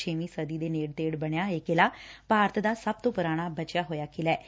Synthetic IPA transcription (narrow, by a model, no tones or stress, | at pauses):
t͡ʃʰeːʋĩːsəd̪iːd̪eːneːɽt̪eːɽbəɳjaːekelaːpaːɾət̪d̪aːsəb̚t̪õːpʊɾaːɽ̃aːbət͡ʃɪjaːɦoːjaːkʰɪlɛː